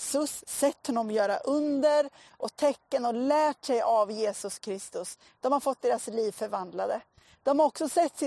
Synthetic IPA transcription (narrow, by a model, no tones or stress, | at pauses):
sɵsːɛt̪ːhɔnɔmjœːɾa̰ʔɵnd̪əɾ | ʔɔt̪ʰɛkːənɔlæːʈsɛjavjeːsɵskʰɾɪst̪ɵs | d̪̥ɔmhaɾfɔt̪̚d̪eːɾasliːvfœɾvand̪lad̪ə | d̪̥ɔmhaɔksɔsɛt̪ːɪ